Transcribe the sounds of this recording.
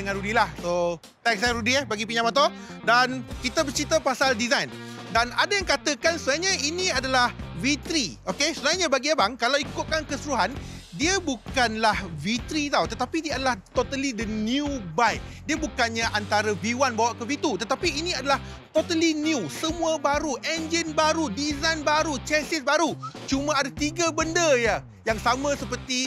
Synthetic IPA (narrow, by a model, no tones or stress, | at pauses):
dəŋãnɾudilahso | t̪ak̚saɾudiebaɡipiɲãmat̪̬ɔ | dankit̪əbərt͡ʃɾit̪əpasaldizajndanadajaŋkat̪əkansənajaɲãinĩadalahvit̪ɾiʔokesəbənajaɲãbaɡiabaŋkalawikʊt̪̚kankəsuɾuɦandiəbukanlahvit̪ɾit̪awt̪ət̪apidiaadalaht̪ot̪alidəniubajʔ̚diəbukanɲãʔant̪aɾəbiwanbawaʔkəvit̪ut̪ət̪apiːnĩadalah | t̪ot̪alinjusəmũabaɾuʔɛnd͡ʒənbaɾudizajnbaɾut͡ʃɛsɪsbaɾut͡ʃumãadat̪iɡabəndəja | jaŋsamãsəpərt̪i